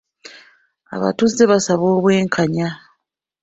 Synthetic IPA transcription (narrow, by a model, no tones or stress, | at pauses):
a̰βa̰tuzːe̞βasaβoːβwe̞ːŋkʰaɲa